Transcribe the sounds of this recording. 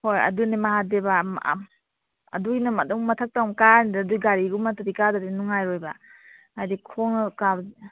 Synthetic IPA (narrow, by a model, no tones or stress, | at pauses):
hojɐ̰dunemaɦadeba̰ | ɐ̰duinɐmɐdɔŋmɐtʰak̚tawmkandduɡaɾiɡumataɾikadadinuŋajɾojba | ajdikʰoŋka